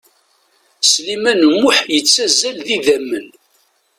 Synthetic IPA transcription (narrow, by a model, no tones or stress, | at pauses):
slimænəmːʊħjət͡sːæzːælðiðæmːən